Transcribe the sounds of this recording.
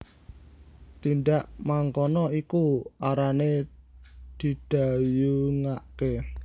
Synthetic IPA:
t̪inɖaʔmaŋkɔnɔikuaɾane | d̪̥i̤d̪̥a̤juŋaʔke

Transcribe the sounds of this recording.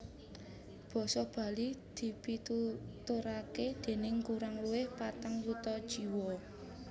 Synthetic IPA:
b̥ɔ̤sɔb̥a̤lid̪̥i̤pit̪ut̪uɾaked̪̥e̤nɪŋkuɾaŋluwɪhpat̪əŋwut̪ɔd̥ʒ̥i̤wɔ

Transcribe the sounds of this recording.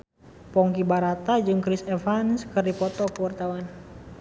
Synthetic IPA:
pɔŋkibaɾat̪ad͡ʒɨŋkɾisɛfanskɨrdipɔt̪ɔkəwart̪awan

